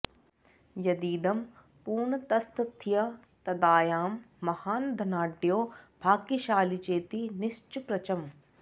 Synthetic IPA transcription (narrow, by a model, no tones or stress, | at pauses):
jɐd̪iːd̪ɐm | puːɳt̪ɐst̪t̪ʰːijɐ | t̪ɐd̪aːjaːmː | ɐhaːnd̪ʱɐnaːɖijoːbʱaːkiʃaːlit͡ɕeːt̪inɪst͡ʃʊpɾɐt͡ɕɐm